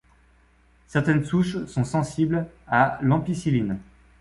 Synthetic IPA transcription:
sɛʁt̪ɛnsuʃsɔ̃sɑ̃siblalɑ̃pisilin

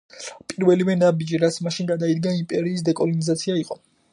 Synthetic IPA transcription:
pʼiɾvɛlivɛnabid͡ʒiɾat̪sʰmaʃinɡad̪aid̪ɡaimpʼɛɾiːs̬d̪ɛkʼɔlɔnizat̪sʰiaiqʼɔ

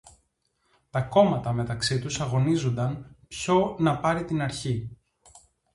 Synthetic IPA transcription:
t̪ɐko̞mɐt̪ɐme̞t̪ɐksit̪usɐɣo̞nizo̞nd̪ɐnpço̞nɐpɐɾit̪inɐɾçi

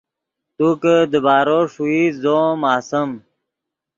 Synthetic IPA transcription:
t̪ukəd̪əbaːɾoːʂuizoːmaːsəm

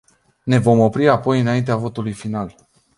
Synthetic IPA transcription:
ne̞vo̞mo̞pɾiapo̞jɨnaint̪eavo̞t̪ulujfinal

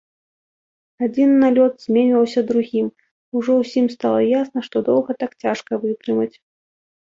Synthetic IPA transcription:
ad͡zʲinːalʲɔt̪z̥ʲmʲenʲiwsʲɐd̪ɾuɣʲim | uʐɔwsʲimst̪alˠɐjasnɐʂt̪ɔd̪ɔw̪ˠɣɐt̪akt͡sʲaʂkɐvɨt̪ɾɨmɐt͡sʲ

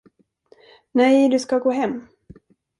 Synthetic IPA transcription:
nɛjd̪ɵskaɡoːɦɛmː

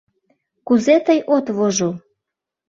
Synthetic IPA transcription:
kuzet̪əjʔot̪βoʒo

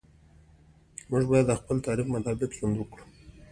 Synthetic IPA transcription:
mʊʒbɑjad̪əxpəlt̪ɑɾixmat̪ɑbɪkzʊnd̪wəkɽu̥

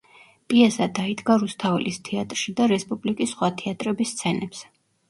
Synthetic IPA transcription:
pʼiɛsad̪aid̪ɡaɾust̪ʰavɛ̰list̪ʰɛat̪ʼɾʃid̪aɾɛspʼublikʼisːχwat̪ʰɛat̪ʼɾɛbist̪sʰɛnɛpsɛ

